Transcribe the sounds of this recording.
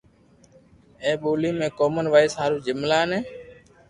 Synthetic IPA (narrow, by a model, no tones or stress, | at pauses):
ẽːɓoːlĩːmẽːkoːmənʋaːɪsɦaːɾuːd͡ʒɪmlaːənẽː